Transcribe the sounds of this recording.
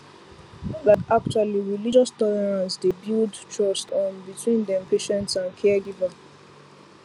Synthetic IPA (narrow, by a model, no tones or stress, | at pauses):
ðakak̚t͡ʃualiɹilid͡ʒɔstɔlɛɹãnsdebildtʰɹɔstɔ̃nbitʰwĩndɛ̃mpʰeʃɛ̃ntsãnkʰɛɡiva